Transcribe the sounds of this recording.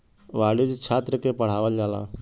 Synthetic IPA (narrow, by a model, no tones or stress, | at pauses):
ʋaɽid͡ʒt͡ʃʰat̪ɾəkepəɽ̤aʋəld͡ʒala̰